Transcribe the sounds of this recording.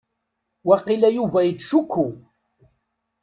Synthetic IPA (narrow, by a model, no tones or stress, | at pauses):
wæqilæjuvæjət̪ːʃukʰːu